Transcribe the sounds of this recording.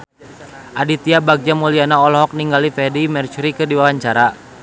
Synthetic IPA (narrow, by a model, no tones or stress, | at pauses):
ʔadit̪iabaɡ̚d͡ʒamulianaɔlɔɦɔk̚niŋɡalifɛdimɛrt͡ʃuɾikɨrdiwawaɲt͡ʃaɾa